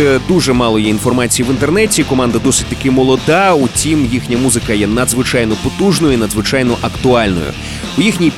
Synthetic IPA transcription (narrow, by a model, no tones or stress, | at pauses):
ɛd̪uʐɛmɑlˠɔjɛinfɔrmat͡sʲijiʋɪnt̪ernɛtʲikɔmɑnd̪ɐd̪ɔsɪtʲt̪ɐkɪmɔlˠɔd̪autʲimjixnʲɐmuzɪkɐjɛnɐd̪zʋɪt͡ʃajnɔpɔt̪uʒnɔjʊinɐd̪zʋɪt͡ʃajnɔʔɐkt̪ʊɑlʲnɔ̰jʊ̰ | ʊjixnʲij